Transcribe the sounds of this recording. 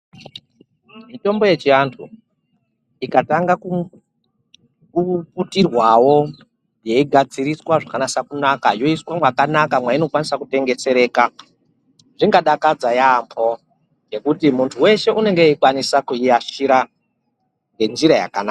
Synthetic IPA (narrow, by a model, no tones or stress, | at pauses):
mito̞mbo̞je̞t͡ʃiantʰu | ikataŋɡaku | kuputirwawo̞ | je̞iɡʱad͡ziriswaʐakanasakunakajo̞iswamwakanakamwaino̞kwanisakute̞ŋɡe̞t͡se̞ɾe̞ːka | ʐiŋɡaɗakad͡zajampʰo̞ | je̞kutimuntʰuwe̞ʃe̞ʔune̞ŋɡeikwanisakuiaʃiɾa | ŋɡe̞nd͡ʒiɾaja̰kana̰ːa